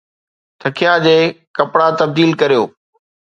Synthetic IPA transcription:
t̪ʰɐkʰijad͡ʑeːkɐpɽat̪ɐb̚d̪iːlkɐɾijoː

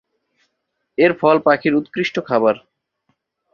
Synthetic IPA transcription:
eɾfɔlpakʰiɾut̪kɾiʃʈokʰabaɾ

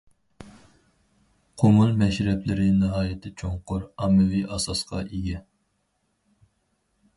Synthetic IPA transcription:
qʰomulˠmɛʃɾɛplɪɾɪnɨɦɑːjɪt̪ʰɪt͡ʃʰoŋqʊɾɑmːɨviʔɑsɑsqɑ̰ʔiɡʲɛ

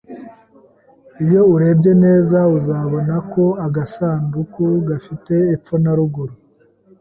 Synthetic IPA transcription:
ijo̞uɾe̞bɟe̞ne̞ːzauzaːβo̞nako̞aɡasaːndukuɡafite̞ːp͡fonaɾuɡuɾu

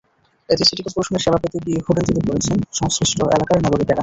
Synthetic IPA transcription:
et̪isʰeʈikepuɾoʃoneɾʃebʱapot̪ibihuɖent̪id̪ipoɾet͡ɕʰenʃɔŋsɾiʃʈoʔḛlakaɾnaɡoɾikɛɡa

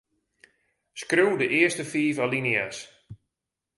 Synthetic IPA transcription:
skruwdəʔɪəstəfiːfalinias

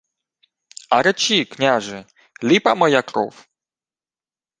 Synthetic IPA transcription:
aɾɛt͡ɕiknʲaʐɨ | lʲipamɔjakɾɔ̰f

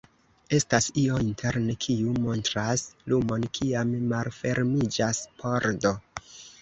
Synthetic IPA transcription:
e̞stasio̞intʰe̞ɾnekʰiumo̞ntɾaslumo̞nkʰiamːalfe̞ɾmid͡ʒaspʰo̞ɾdo̞

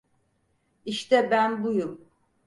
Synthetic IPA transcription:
iʃt̪ɛbænbujum

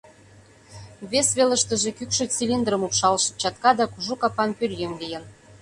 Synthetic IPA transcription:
βesβelə̆ʃt̪ə̆ʒĕkykʃø̆t͡silʲind̪rə̆mupʃɑlʃɤ̥̆t͡ɕɑt̪kɑd̪ɑkuʒukɑpɑnpyljemlijə̆n

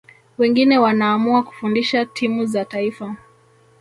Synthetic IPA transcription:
wɛŋɡinɛwanaːmuaku̥fundiʃatʰimuzataifa

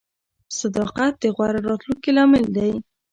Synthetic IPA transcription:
sad̪ɑqat̪̚d̪əɣwaɾaɾɑt̪luŋkilɑmɪld̪aj

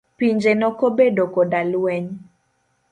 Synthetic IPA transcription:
piɲd͡ʒenɔkobedokɔdalwɛɲ

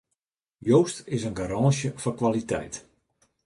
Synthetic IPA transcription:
joːstɪsənɡaɾaːʃjəfɔnkʋalitɛ̰jt

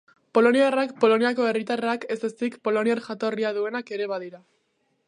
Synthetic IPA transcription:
po̞lo̞niarakpo̞lo̞niako̞e̞rit̪arake̞sesikpo̞lo̞niaɾʝat̪o̞riaðue̞nake̞ɾe̞β̞aðiɾa

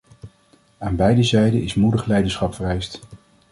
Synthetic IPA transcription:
aːnbɛjdəzɛjdənɪsmudəχlɛjdəsχɑpfərɛjst

